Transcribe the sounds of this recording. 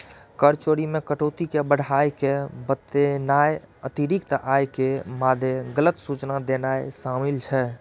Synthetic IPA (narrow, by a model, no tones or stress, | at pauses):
kəɾt͡ʃoɾimẽkəʈot̪ikebəɽ̤ʱajkebət̪enaeət̪iɾik̚t̪ʔajkemad̪ʱjeɡələt̪sut͡ʃnad̪enaesamilt͡ʃʰɛ